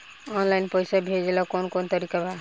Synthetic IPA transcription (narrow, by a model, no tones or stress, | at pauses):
ɔnlajnpəjsabʱed͡ʒelɔkonkont̪əɾikaba